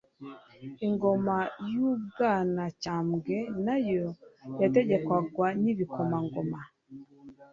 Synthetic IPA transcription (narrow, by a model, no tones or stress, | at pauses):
iŋɡo̞majub̚ɡaːnacaːmɡe̞najojate̞ɟe̞kwaɡwaniβikomaŋɡoma